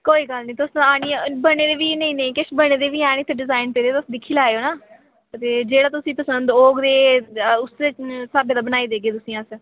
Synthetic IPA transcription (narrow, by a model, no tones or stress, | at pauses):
koːiːɡəlnĩːt̪ʊsaːɽ̃iːbəɽeːd̪eːʋiːnəĩːnəĩːkɪʃbəɽ̃eːd̪eːʋiːaːɽ̃ĩːt̪eɖɪzaːɪnpeːd̪eːt̪ʊsd̪ɪkʰːiːlaːeoːnaː | t̪eːd͡ʒeːɽaːt̪ʊsĩːpəsənd̪oːɡd̪eːʊssaːbeːd̪aːbənaːiːd̪eːɡeːt̪ʊsĩːãːs